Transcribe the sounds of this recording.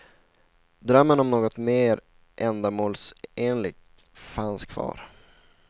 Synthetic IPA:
d̪ɾœmːənɔmnoːɡɔt̪meːɾ | ʔɛnd̪amoːlseːnlɪɡ̚t̪fanskʰvɑ̰ːɾ

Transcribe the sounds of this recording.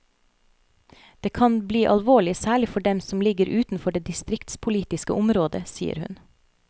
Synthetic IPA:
d̪̥eːkʰɑnbliːʔɑlʋoːɭɪsæːɭɪfɔɖɛmsɔmlɪɡəɾʔʉːt̪n̩fɔɖeːd̪ɪst̪ɾɪkt̪spʰʊliːt̪ɪskəʔʊmɾoːd̪əsḭːə̰ɾhʉ̰n

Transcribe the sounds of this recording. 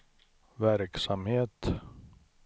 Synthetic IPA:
væɾksamheːt̪

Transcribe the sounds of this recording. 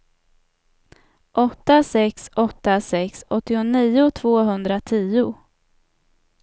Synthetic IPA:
ʔɔt̪ːasɛksɔt̪ːasɛksɔt̪ːɪʊniːʊt̪ʰv̥oːɦɵnd̪ɾat̪ʰiːʊ

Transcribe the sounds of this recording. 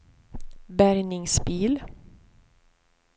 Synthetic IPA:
bæɾnɪŋsbiːl

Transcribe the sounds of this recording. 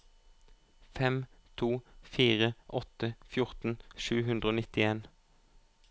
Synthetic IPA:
fɛmt̪ʰuːfiːʁəʔɔt̪əfjʊʁt̪n̩ʃʉːɦʉnd̪ʁəoːnɪt̪ɪeːn

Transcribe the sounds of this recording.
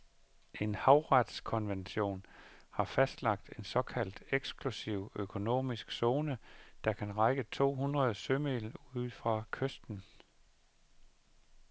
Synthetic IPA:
ʔe̝nhɑ̈ʊʁɑd̥skʰɒ̽nʋenɕo̝̰ːnhɑ̈fæsd̥lɑ̈ɡ̥̚d̥e̝nsɒ̽kʰæl̰d̥eɡ̥sɡ̥ʰlusiʊ̰økʰo̝no̝̰ːmisɡ̥so̝ːnəd̥ɑ̈kʰænʁɑɪɡ̥ət͡sʰo̝̰ːɦunʁɐð̞̩ˠsømeluð̰ˠfʁɑ̈kʰøsd̥n̩

